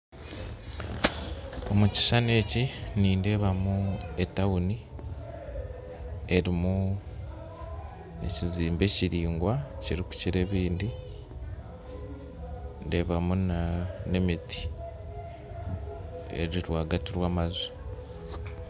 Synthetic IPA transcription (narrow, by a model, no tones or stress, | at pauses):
o̞muci̥sane̞ːciniːnde̞ːβamue̞tawuni | e̞ɾimu | e̞̰ciziːmbe̞ːciɾiːŋɡwaciɾiku̥ciɾe̞ːβiːndi | nde̞ːβamunane̞miti̥ | e̞̰ɾiɾwaːɡatiɾwaːmazu̥